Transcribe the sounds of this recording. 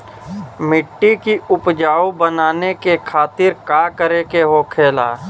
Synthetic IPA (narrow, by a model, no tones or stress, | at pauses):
mɪʈːikiʊpd͡ʒaːubənaːnekekʰaːt̪ɪɾkaːkəɾekeɦokʰeːla̰ː